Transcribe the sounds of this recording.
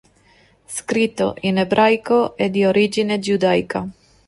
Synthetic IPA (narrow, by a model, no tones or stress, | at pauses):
skɾit̪o̰ʔinebɾʔajkoʔɛd̪ioɾid͡ʒined͡ʒud̪ajka